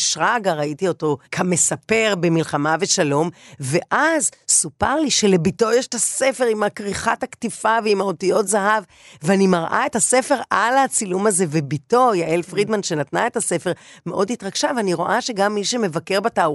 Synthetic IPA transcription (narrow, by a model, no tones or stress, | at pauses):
ʃʁaɡaʁaitio̞to̞kʰame̞sape̞ʁbe̞milχamave̞ʃalo̞mve̞ʔazsupaʁliʃe̞le̞bito̞jeʃetase̞fe̞ʁimakʁiχathaktifaveimaotijo̞tzaɦav | veanimaʁʔa̰e̞thase̞fe̞ʁʔalhat͡silumaze̞vebito̞jaʔelfʁid̪manʃe̞natna̰e̞tasefe̞ʁme̞ʔo̞dhitʁaɡ̥ʃaveaniʁo̞ʔaʃe̞ɡamːiʃeme̞vake̞ʁbatau